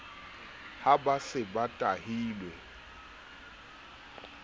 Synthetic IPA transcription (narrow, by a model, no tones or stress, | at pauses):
habasɪbatʼahiːlwɛ